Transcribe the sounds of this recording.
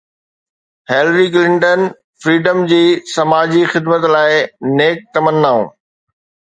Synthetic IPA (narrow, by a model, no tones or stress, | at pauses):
heːlɾik̬lɪ̃ɳʈən | fɾiːɖəmd͡ʑiːsɐmaːd͡ʑixɪd̪mət̪laːɪneːk̚t̪ɐmənːaːṵ̃ː